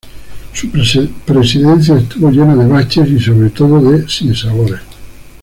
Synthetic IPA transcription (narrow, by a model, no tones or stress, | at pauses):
suppɾesiðẽn̟θjaest̪uβoʎenaðeβat͡ʃesisoβɾet̪oðoðesinsaβoɾes